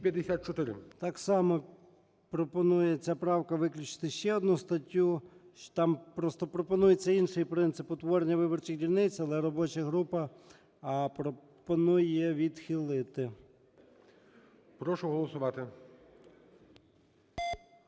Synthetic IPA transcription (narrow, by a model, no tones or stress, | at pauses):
pʲjɐd̪esʲat̪̚t͡ʃɔt̪ɪɾɪ̰t̪ɑksɑmɔ | pɾɔpɔnujɛt͡sʲapɾɑwkɐʋɪklʲʊt͡ʃɪ̥t̪ɪʃt͡ʃɛɔd̪nust̪ɐtʲːut̪ɑmpɾɔst̪ɔpɾɔpɔnujet͡sʲːɐinʃɪjpɾɪnt̪sɪpʊt̪ʋɔɾenʲːɐʋɪbɔrt͡ʃɪɣdʲilʲnɪt͡sʲɐlˠɛɾɔbɔt͡ʃɐɦɾupɐː | pɾɔ | pɔnujɛʋʲid̪xilˠɪt̪ɪ | pɾɔʃʊɦɔlˠɔsʊʋɑt̪ɪ